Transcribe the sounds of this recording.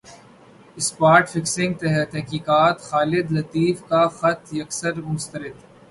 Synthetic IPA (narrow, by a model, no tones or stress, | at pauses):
ɪspaːɾʈfɪksɪ̃ŋɡ̚t̪ɛɦt̪ɛɦkiːkaːt̪xaːlɪd̪lɐt̪iːfkaxɐt̪jɐksəɾmʊ̃nst̪əɾɪd̪